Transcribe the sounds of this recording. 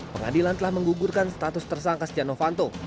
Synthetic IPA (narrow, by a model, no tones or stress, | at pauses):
pəŋa̰dilant̪əlahməŋɡuɡurkanst̪at̪ʊst̪ərsaŋkast̪ianofant̪o